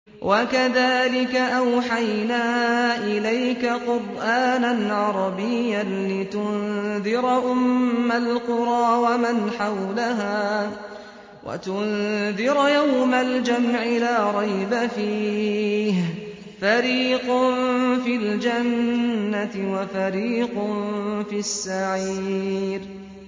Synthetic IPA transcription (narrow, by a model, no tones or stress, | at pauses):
wʔakaðaːlɪkaʔawħajnaːʔɪlajkaqʊɾʔaːnanʕɑɾˤɑbɪjːanlɪt̪ʊnðɪɾʔʊmːalqʊɾˤɑːwamanħawlaɦaː | wʔa̰t̪ʊnðɪɾjawmald͡ʒamʕɪlaːɾˤɑjbafiː | h | faɾiːqʊnfild͡ʒanːat̪ɪwafaɾiːqʊnfiasːaʕiiːɾ